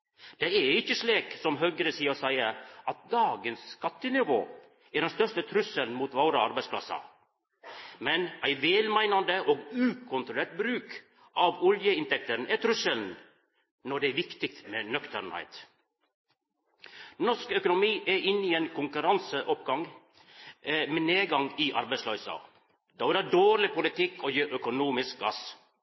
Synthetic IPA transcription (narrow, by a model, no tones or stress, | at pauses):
d̪̥ɛæɪçəsleːksɔmɦøːɡəɾəsiːɔsæɪəʔɑt̪̚d̪ɑːɡənsskɑt̪ənɪʋo̰ː | æɖɛnst̪œʂtət̪ʰɾʉsəln̩muːt̪ʋoːɾəɑɾbæɪspʰlɑ̰sɑ̰ | mɛnæɪʋeːlmæɪnɑnd̪əʔoːɡʉːkʰʊnt̪ɾʊleːʈ̚bɾʉːk | ʔɑʋɔljəɪnt̪ʰɛk̚t̪ənʔæt̪ʰɾʉsəln | nɔɖɛɛʋɪkt̪ɪk̚t̪meːnœkt̪əɾɳhæ̰ɪt̪ | nɔʂkœkʊnʊmiːʔɛɾɪnːiɛːnkʰʊŋkʉɾɑnsəʔɔpɡɑŋ | mɛneːɡɑŋiʔɑ̰ɾbæɪslœʏsɑ̰ | d̪ɑːʋɪlɑːdoːɾɭɪpʊlɪt̪ʰɪkʰːɔjiːʔœkʊnuːmɪsk̚ɡɑs